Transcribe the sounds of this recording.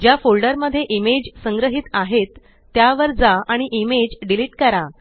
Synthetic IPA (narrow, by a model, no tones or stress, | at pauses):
d͡ʑjafolɖəɾməd̪ʱːjeʔimed͡ʑsəŋɡɾəɦit̪aɦet̪ː | jaʋəɾd͡zaaɽ̃iʔimed͡ʑɖiliʈkəɾa